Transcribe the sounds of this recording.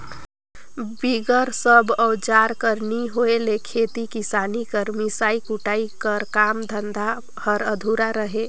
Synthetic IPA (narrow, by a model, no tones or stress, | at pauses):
biɡəɾsəbʱɔʊd͡ʒaɾkəɾniɦoelekʰet̪ikisanikəɾmisaikuʈaikəɾkamd̪ʱənd̪ʱa | həɾəd̪ʱuɾaɾəɦe